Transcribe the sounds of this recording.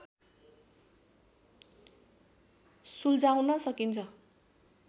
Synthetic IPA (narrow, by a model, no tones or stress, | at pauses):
suld͡zawnʌsʌkint͡sʰʌ